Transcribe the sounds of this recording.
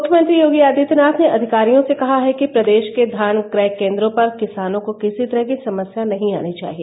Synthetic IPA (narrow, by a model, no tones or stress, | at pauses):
mʊkʰjəmɐ̃nt̪ɾijoːɡiaːd̪it̪naːt̪ʰneʔɐd̪ʱɪkaːɾijõsekɐɦaɦɛkipɾɐd̪eːʃked̪ʱaːnkɾɛːkẽːnd̪ɾõpɐɾkɪsaːnõkokɪsit̪ɐɾəɦkisɐməsjanɐɦĩa̰ːnit͡ʃa̰ːɦieː